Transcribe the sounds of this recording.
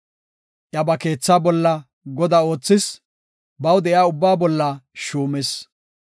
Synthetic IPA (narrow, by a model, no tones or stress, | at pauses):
ʔjɐbɐke̞ːt͡sːaːbɔlːɐ | ɡɔd̪ɐo̞ːt͡sːɪs | bɐwd̪ɛʔjaːʊbːaːbɔlːɐʃuːmɛs